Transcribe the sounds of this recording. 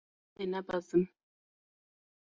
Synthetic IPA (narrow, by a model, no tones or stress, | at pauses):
ɛnabasim